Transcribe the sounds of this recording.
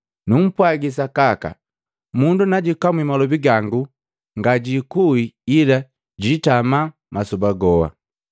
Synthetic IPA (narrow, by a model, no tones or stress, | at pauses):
num̩pwaɡis̬akaka̰ | mundunaɟikamwimalɔbiɡaŋɡu | ŋɡaɟikuiila | ɟitama | masubaɡɔwa̰